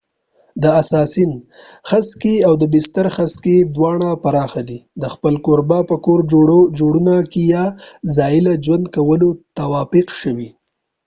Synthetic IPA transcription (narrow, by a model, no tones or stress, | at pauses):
d̪əasɑsin | xaskeawd̪əbɪst̪aɾxasked̪wɑɳ̃apaɾɑxad̪id̪əxpəlkoɾbapəkoɾd͡ʒoɽod͡ʒoɽunakejɑzɑɪlad͡ʒwand̪̚kawəlot̪awɑfɪqʃəwi